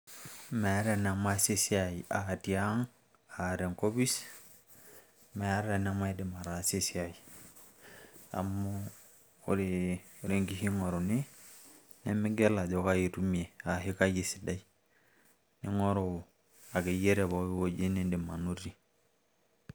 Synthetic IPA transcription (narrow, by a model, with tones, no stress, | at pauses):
me˨˦ɾe˨n˨a˨ma˦se˦si˦a˨ji˨ʔa˨ti˨a˦ŋ | a˨ɾe˨ŋko˦bi˦s | me˨a˦ɾe˨n˦a˦ma˦i˦di˨ma˨ɾa˨se˦si˦a˨ji˨ | a̰˨mːo˦ | o˦ɾe˨o˨ɾe˦ŋɡi˦hi˦ŋo˨ɾo˨ni˦ | ne˦mi˦ɡe˦la˨d͡ʒo˦ka˦ji˨ɾu˦mi˨e˨a˨ɦi˦ka˦ji˨si˨da˦i˦ | ni˦ŋo˦ɾo˨ | a˨ɡe˨je˦ɾe˨βo˨˦bi˦wo˦ɟe˦ne˦de˨ma˨nu˦ɾi˨